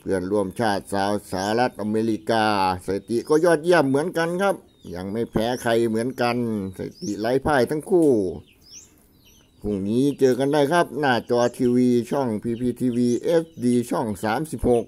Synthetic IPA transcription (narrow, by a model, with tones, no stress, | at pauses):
pʰɯ˧˩ənɾu˧˩əmt͡ɕʰaː˥˩t̪̚saː˨˧w̚sa˧˦ha˧ɾa˦˥t̪̚ʔa˧meː˧li˦˥kaː˧sa˨˧˩t̪i˨kɔː˥˩jɔː˥˩t̪̚ji˥˩əm̚ːɯ˩˦ənka˧nkʰa˦˥p̚ | ja˧ŋma˥˩jpʰɛː˨˦˥kʰa˧jmɯ˩˦ənka˧nsa̰˧˩t̪i˨˩ʔlaː˨˦˥jpʰaː˥˩jt̪ʰa˧˥˩ŋkʰuː˥˩ | kʰu˧˩ŋniː˦˥t͡ɕɤː˧ka˧ndaː˧˥˩jkʰa˦˥p̚naː˧˩t͡ɕɔː˧t̪ʰiː˧wiː˧t͡ɕʰɔ˥˩ŋpʰiː˧pʰiː˧t̪ʰiː˧wiː˧ʔeː˦˥s̚diː˧t͡ɕʰɔ˥˩ŋsaː˩˦msi˨˩p̚ho˨˩k̚